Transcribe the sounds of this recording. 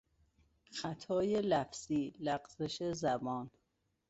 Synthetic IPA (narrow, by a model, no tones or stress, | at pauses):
xæt̪ʰɒːjelæfz̥iːlæɢz̥eʃezæbɒːn